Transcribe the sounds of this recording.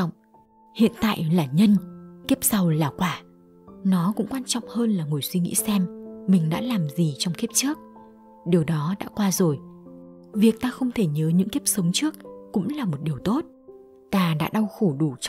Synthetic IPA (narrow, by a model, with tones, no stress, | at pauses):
ŋ͡m | hḭ˧˨ənt̪a̰ː˧˨jʔlaː˨˩ɲə˧nki˦˥p̚sa˨˧˩wlaː˨˩kwaː˧˩ | nɔ˨˦kʊ̰˧˥ŋ͡mkwaː˧nt͡ɕɔ̰˧˨wŋ͡mhəː˧nlaː˨˩ŋu˨˩əjswi˧ŋḭ˧˥sɛ˧mmï˨˩ŋ̟ɗa̰ː˧˥laː˨˩mzi˨˩t͡ɕɔ˧wŋ͡mki˦˥p̚t͡ɕɨ˦˥ək̚ | ɗi˨˩əwɗɔ˨˦ɗa̰ː˧˥kwaː˧zo˨˩j | vi˨˩ək̚t̪aː˧xə˧wŋ͡mt̪ʰe˧˩ɲəː˨˦ɲɨ̰˧˥ŋki˦˥p̚sə˨˦wŋ͡mt͡ɕɨ˦˥ək̚ːʊ̰˧˥ŋ͡mlaː˨˩mo˨˩t̚ɗi˨˩əwt̪o˦˥t̚ | t̪aː˧ɗa̰ː˧˥ɗa˧wxo˧˩ɗu˧˩t͡ɕ